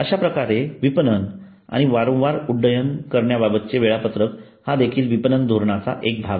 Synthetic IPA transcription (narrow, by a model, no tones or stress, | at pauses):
əɕapɾəkaɾeʋipənən | a̰ɽ̃iʋaɾə̃w̃ʋaɾuɖːəjənkəɾɳjababət̪̚t͡ɕeʋeɭapət̪ɾək | had̪ekʰiːlʋipənənd̪ʱoɾɳat͡sa̰ʔek̚bʱaʋ